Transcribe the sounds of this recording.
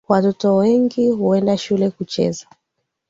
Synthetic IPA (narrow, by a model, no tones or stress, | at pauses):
watɔtɔwɛŋɡihuɛndaʃulɛkut͡ʃɛ̰za